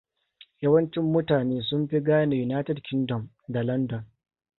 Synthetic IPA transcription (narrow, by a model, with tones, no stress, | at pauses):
jɐ˦wɐ˦nt͡ʃɪ˦mːʊ˦taː˨neː˦sʊ˦mɸi˦ɡaː˦na˨ju˨naː˦tɛ˦˨dkʲɪ˦ndɔ˨m | da˨lɐ˦ndɔ˨n